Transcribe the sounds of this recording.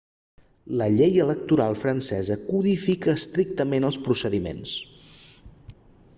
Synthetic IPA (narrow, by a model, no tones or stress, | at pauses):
ləʎejələk̚t̪uɾalˠfɾənsɛzəkuðifikəːst̪ɾik̚t̪əmenəlˠspɾusəðimḛns